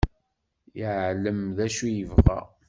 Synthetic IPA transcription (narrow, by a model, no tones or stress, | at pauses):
jəʕləmðæʃujəvʁæ̰